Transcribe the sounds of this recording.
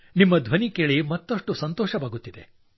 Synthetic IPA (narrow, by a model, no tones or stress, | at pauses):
nimːɐd̪ʱʋɐnikeːɭimɐt̪ːɐʂʈusɐnt̪ɔːʃɐbaːɡut̪ːid̪e̞̰